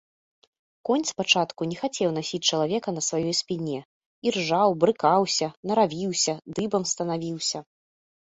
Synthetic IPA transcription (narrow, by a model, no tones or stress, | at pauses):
kɔnʲt̪spat͡ʂat̪kunʲɛxat͡sʲɛwnasʲit͡s̚ʲt͡ʂɐlˠavʲɛkɐnɐsvajɔjspʲinʲɛ | irʐawbɾɨkawsʲɐnɐɾavʲiwsʲɐd̪ɨbɐmst̪ɐnavʲiwsʲɐ